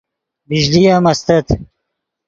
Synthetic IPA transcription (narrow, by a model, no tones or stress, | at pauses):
biʑlijamɐst̪ɐt̪